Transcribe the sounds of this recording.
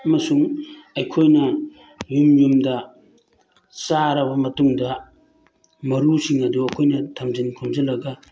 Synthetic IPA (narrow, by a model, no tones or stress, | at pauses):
ɐmɐsuŋɐjkʰojnɐ | jumjumdɐ | saɾɐbɐmɐtuŋdɐ | mɐɾusiŋɐduɐkʰojnɐtʰɐmzinkʰomzɐlɐɡɐ